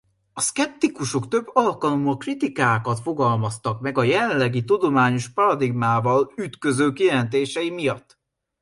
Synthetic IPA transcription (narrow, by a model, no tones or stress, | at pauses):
ɒskɛp̚t̪ikuʃokt̪ø̞bːɒlkɒlomɒkrit̪ikaːkɒt̪fo̞ɡɒlmɒst̪ɒkmɛɡɒjɛlɛnlɛɡit̪ud̪o̞maːɲo̞ʃpɒɾɒd̪iɡmaːvɒlyt̪kø̞zøːkijɛlɛnt̪̬eːʃɛjimijɒt̪ː